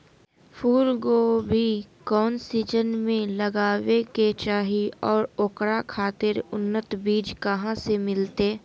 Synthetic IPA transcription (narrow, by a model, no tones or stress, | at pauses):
fʰuːɾɡobʱikɔːnsiːd͡ʒənmẽləɡaːweket͡ʃaːɦiɔːɾoːkɾakʰaːt̪ɪɾʊnːət̪biːd͡ʒkəɦãsemɪlt̪eː